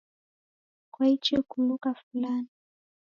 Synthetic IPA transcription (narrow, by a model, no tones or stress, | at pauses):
kwait͡ʃiukumbukafulani